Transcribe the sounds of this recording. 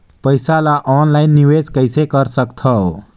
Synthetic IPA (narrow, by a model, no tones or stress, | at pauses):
pəjsalaʔɔnlaɪnːiwed͡zkəjsekəɾsəkt̪ʰə